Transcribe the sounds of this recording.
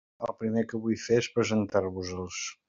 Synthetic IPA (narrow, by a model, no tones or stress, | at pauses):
əlˠpɾimekəβujfeespɾəzənt̪aɾβuzəlˠs